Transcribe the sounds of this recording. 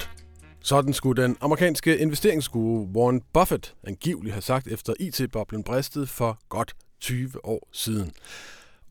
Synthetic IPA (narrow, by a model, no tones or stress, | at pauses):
sɒ̽d̥n̩sɡ̥ud̥enɑ̈məʁikʰɛ̰ːnsɡ̥əʔe̝nʋesd̥e̝ɐ̰eŋsɡ̥uːʁəʋonb̥ɒ̽fəd̥ænɡ̥ḭʊliɦæsɑ̈ɡ̥̚d̥efd̥ɐʔḭt͡sʰe̝̰b̥ɒ̽b̥lənb̥ʁɛsd̥ð̞̩ˠfɒ̽ɡ̥ɒ̽d̥ | t͡sʰyːʋəʔɒ̰ːsiːðˠn̩